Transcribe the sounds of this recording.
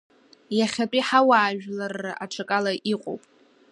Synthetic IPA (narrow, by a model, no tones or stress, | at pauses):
jaχʲat͡pʼiħawaːʒᶣlarːɨʔaʈ͡ʂʰakʼalaʔiqʼo̰wpʼ